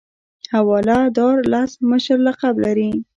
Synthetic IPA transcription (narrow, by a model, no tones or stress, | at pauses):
hawɑlad̪ɑɾlɑsməʃəɾlaqablaɾi